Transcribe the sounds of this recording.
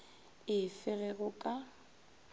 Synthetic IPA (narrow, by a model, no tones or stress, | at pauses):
ɪfɪɣɛɣʊkʼa